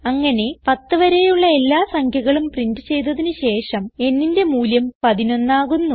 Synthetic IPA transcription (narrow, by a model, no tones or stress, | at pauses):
ɐŋːɐne̞pɐt̪ːɨʋɐɾejuɭːɐe̞lːaːsɐŋkʰjɐɣɐɭumprindɨt͡ɕe̞jt̪ɐðinɨɕe̞ːʂɐme̞nːinde̞muːljɐmpɐðino̞nːaːɣunːu